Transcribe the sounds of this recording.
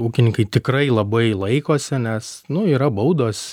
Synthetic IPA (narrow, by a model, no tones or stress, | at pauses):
uːkʲɪnʲɪŋkɐɪt̪ʲɪkrɐɪlˠɐbɐɪlˠɐɪkoːsʲɪnʲɛsnʊiːɾɐbɐʊd̪oːs